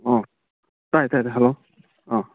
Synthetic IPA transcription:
ɔ̃ | tajtajtajɦalo | ɔ̃

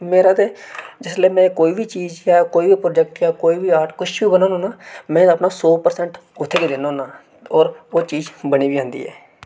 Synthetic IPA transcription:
meːɾaːt̪eːd͡ʒɪsleːmɛ̃ːkoːiːbʱiːt͡ʃiːzaːkoːiːbiːpɾoːd͡ʒɛk̚ʈkaːkoːiːbiːaːɾʈkʊt͡ʃbiːbənãːnõːnaːmɛ̃ːəpnaːsɔːpəɾsɛ̃ɳʈʊt̪ʰːeːkeːd̪ɪnõːnãː | ɔːɾoːt͡ʃiːd͡ʒbəniːbiːãːnd̪ḭːɦɛ̰ː

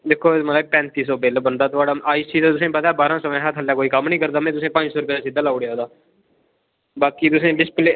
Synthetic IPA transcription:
d̪eːkʰːoːmət̪lːb̚pɛ̃ːnt̪iːs̬ɔːbeːlbənd̪aːt̪ʊaːɽaːaːisiːt̪at̪ʊs̬ẽpət̪aːbaːɾãːsɔmɛ̃ːɦat̪ʰɦəlːaːkoːiːkəmnĩːkəɾd̪aːmɛ̃ːt̪ʊsẽːpə̃ɲd͡ʒsɔːɾʊpjːd̪aːsɪd̪aːlaːʊɽejaːɦːd̪aː | baːkiːt̪ʊsẽːlɪsple

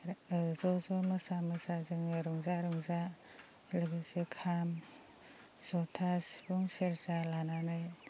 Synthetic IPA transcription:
zɔzɔmɯsamɯsazɯŋɾuŋzaɾɯŋza | lɯɡesekʰam | z̥ɔtʰasbuŋseɾzalananaj

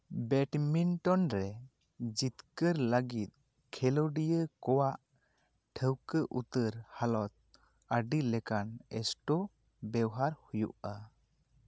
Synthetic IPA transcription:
bɛʈminʈɔnɾɛ | d͡ʒit̪kəɾləɡit̪̚ˀ | kʰɛlɔɖijəkɔwaʔ | ʈʰəwkəʔut̪əɾhalɔt̪̚ | əɖilɛkanɛ̰sʈɔ | bɛwɦaɾhujṵʔa

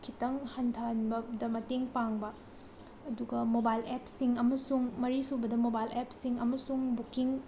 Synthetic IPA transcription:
kʰitɐŋhɐntʰɐnbɐdɐmɐteŋpaŋbɐ | ɐduɡɐmobajlepsiŋɐmɐsuŋmɐɾisubɐdɐmobajlepsiŋɐmɐsuŋbukiŋ

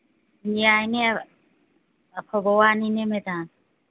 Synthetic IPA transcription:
mijajne | apʰɔbɔwaninemeta

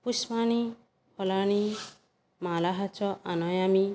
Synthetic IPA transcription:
pusmañi | hɔlañi | malaɦat͡ʃɔʔanɔjami

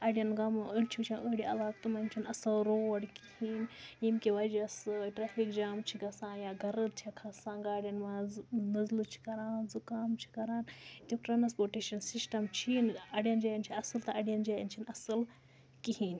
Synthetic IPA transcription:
ɐɖijɐnɡɐmɨəɽʲt͡ʃʰit͡ʃʰãnʔəːɽiɐlaːk̚t̪umɐmt͡ʃʰinɐsɐlɾoːɐɽikihinjimkʲiʋɐd͡ʒɐsʈɾaːfikd͡ʒaːmt͡ʃʰiɡɐsãːnjaːɡɐɾɨt̪t͡ʃʰakʰɐsãːɡaːɽʲjɐnmaːznɐzlɨt͡ʃʰi̥kɐɾaːnzukaːmt͡ʃʰi̥kɐɾaːnt̪ʲikʈɾɐnɐspoːʈeːʃɐnsisʈɐmt͡ʃʰinɐɖjɐnd͡ʒaːjɐnt͡ʃʰiɐsɨlt̪ɐʔɐɖijɐnd͡ʒaːjɐnt͡ʃʰinɐsɨl | kihiːn

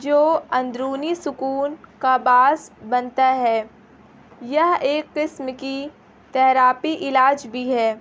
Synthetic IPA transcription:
d͡ʒoːɐ̃nd̪ɾuːnisʊkuːnkabaːsbɐnt̪aɦɛː | jɐɦeːkːɪsmki | t̪ɛɦɾaːpiʔɪlaːd͡ʒbʱiɦɛː

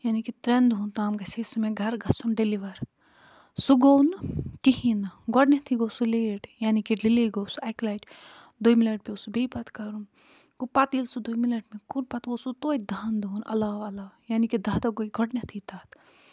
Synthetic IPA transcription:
jaːnikit̪ɾend̪uɦunt̪aːmɡɐseːsumeɡʱɐɾɡɐsunɖeliʋɐɾ | suɡownkiɦinɡɔɖnʲet̪ʰiɡoːsuleːʈjaːnikilileɡoːsuɐklaːjʈ | d̪ojmilɐʈ̚piosubepɐt̪ʰkɐɾun | ɡupɐt̪ilsud̪omilɐʈmikunpɐt̪oːsut̪oːt̚ʲd̪ʱand̪uunɐ̰laːʋɐlaːjaːnikid̪ɐːt̪ɐɡoiɡɔɖnɐt̪ʰit̪aːt̪

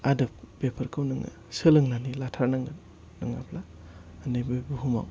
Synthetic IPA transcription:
adɐp̚bepʰɐɾkʰɯwnɯŋa̰ | sɯlɯŋnanilatʰaɾnaŋɡa | nɯŋa̰pʰlaː | nɯjbɯbuɦuma̰w

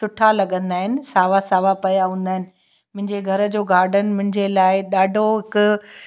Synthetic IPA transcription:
sʊʈʰalɐɠə̃nd̪aːɦɪnɪ̆saːʋasaːʋapɐjaɦũːnd̪aːɦɪnɪ̆ | mʊ̃ɦɪ̃ɲd͡ʑeɡʱɐɾəd͡ʑoːɡaːɾɖənmʊ̃ɦɪ̃ɲd͡ʑelaːɪɗaːɖʱoɦɪkʊ

